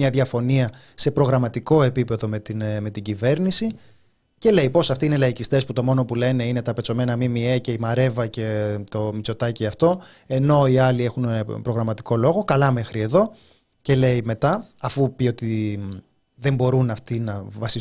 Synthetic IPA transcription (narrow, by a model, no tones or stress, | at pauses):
ɲɐðʝɐfo̞niɐ | se̞pɾo̞ɣɾɐmɐt̪iko̞e̞pipe̞ðo̞met̪inme̞t̪iɟive̞ɾnisi | ce̞le̞jpo̞sɐft̪iinelɐicist̪e̞sput̪o̞mo̞no̞pule̞ne̞ine̞t̪ɐpe̞t͡so̞me̞nɐmimiece̞imɐɾe̞vɐce̞t̪o̞mit͡so̞t̪ɐciɐft̪o̞ | e̞no̞iɐlie̞xunpɾo̞ɣɾɐmɐt̪i̥ko̞lo̞ɣo̞kɐlɐme̞xɾie̞ðo̞ | ce̞le̞ime̞t̪ɐɐfupio̞t̪i | ðe̞mbo̞ɾunɐft̪inɐvɐsi